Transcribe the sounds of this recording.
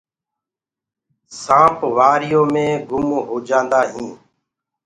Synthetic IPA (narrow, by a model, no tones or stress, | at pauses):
sãːpʰʋaːɾɪjõːmẽːɡʊmɦoːd͡ʒãːnd̪aːɦĩː